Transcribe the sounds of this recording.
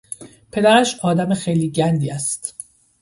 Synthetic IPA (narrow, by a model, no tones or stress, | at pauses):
pʰe̞d̪æɾæʃɒːd̪æmexejliːɟænd̪iːæst̪